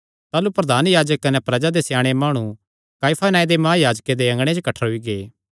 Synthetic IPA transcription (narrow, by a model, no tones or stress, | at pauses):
t̪aːlupɾɐd̪ʱaːnjaːd͡ʒəkːɐnɛpɾɐd͡ʒad̪esjaːɽ̃emaːɽ̃ũ | kaːipʰanaːid̪emaːjaːd͡ʒked̪eɐ̃ŋɡɽ̃ẽd͡ʒokɐʈʰəɾɦʊiɡeː